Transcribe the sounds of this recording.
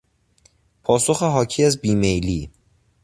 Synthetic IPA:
pʰɒːso̞xeɦɒːcʰiːæzbiːmejliː

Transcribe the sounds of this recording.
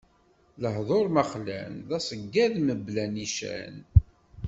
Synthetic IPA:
ləɦðˤoɾˤməχlæ̰nðæsəɡːæðməblæniʃæ̰n

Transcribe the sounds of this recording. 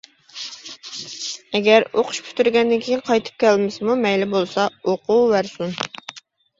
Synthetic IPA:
ɛɡʲæɾoqʰʊ̥ʃpʰy̥t̪yɾɡʲɛnd̪ɪnkʲʰejinqʰɑjt̪ʰɨ̥p̚kʲʰælmɪsɪmumɛjlɪbolˠsɑoqʰuːvæɾsun

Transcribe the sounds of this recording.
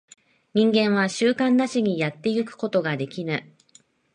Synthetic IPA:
ɲ̟ĩŋɡẽ̞ɰ̃βaɕɨːkãnːaɕiɲ̟ijat̪ːe̞jɯ̟kɯ̟̥ko̞t̪o̞ɡad̪e̞kʲinɯ

